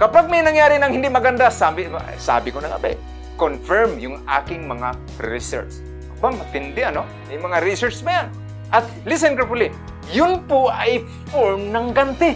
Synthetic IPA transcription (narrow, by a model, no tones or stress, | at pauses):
kɐpaɡ̚majnɐŋjaːɾɪnɐŋhɪnd̪ɪʔmɐɡand̪asaːbɪ̰sa̰ːbɪkonɐŋa̰ba̰j | konfɛɹmjʊŋa̰ːkɪŋmɐŋa | ɾɪ̰sɛ̰ɹt͡ʃs | bamɐt̪ɪnd̪ɪʔɐno | ajmɐŋaɾɪsɛɹt͡ʃbajan | ʔɐt̪ | lɪs̬ɛnkɛpʊlɪ | jʊnpʊʔaj | foɹmnɐŋɡant̪ɪ